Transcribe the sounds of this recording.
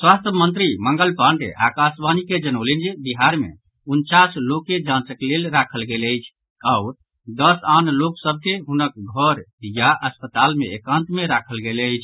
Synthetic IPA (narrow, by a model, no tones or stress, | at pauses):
swast̪ʰəmənt̪ɾiməŋɡəlpãɳɖḛʔakasbaniked͡ʒənəʊlind͡ʒebiɦaɾmḛ | unt͡ʃaslokːed͡ʒãt͡ʃəklelɾakʰəlɡeləjt͡ʃʰ | aʊ | d̪əsanloksəb̚ʱkeɦunək̚ɡʱəɾjaʔəspət̪almẽekãnt̪meɾakʰəlɡeləjt͡ʃʰ